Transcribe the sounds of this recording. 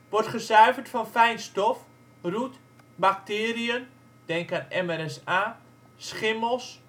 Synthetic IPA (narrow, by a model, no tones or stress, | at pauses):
ʋɔrtχəsœɥvərtfɔnfɛjnstɔf | rut | bak̚tɪːriən | d̥ɛŋkanɛmɛɾɛsaː | sχɪməlˠs